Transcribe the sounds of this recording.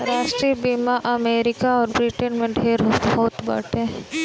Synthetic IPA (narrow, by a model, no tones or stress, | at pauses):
ɾaːʃʈɾiebiːmaʔɐmeːɾɪkaɔːɾbɾiʈənmẽɖʱeːɾɦoɦoːt̪bə̰ːʈẽ